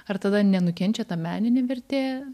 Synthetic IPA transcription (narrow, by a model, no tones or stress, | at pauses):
ɐrt̪ɐd̪ɐnʲɛnʊkʲɛnʲt͡ʃʲɛt̪ɐmʲæːnʲɪnʲeːʋʲɛɾʲt̪ʲeː